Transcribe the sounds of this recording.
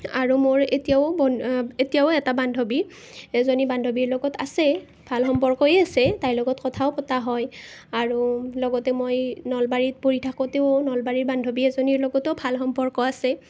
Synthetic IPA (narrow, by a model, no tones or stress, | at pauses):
a̰ɹumoɹetijaʊbɔetijaʊɛtabandʱobi | ɛzonibandʱobiɹlɔɡɔtasɛ | bʱalxɔmpɔɹkɔjasɛtajlɔɡɔtkɔtʰaʊpɔtaɦɔjaɹulɔɡɔtɛmojnɔlbaɹit̚poɹitʰakɔteʊnɔlbaɹiɹbandʱobiɛzoniɹlɔɡɔtɔbʱalxɔmpɔɹkɔasɛ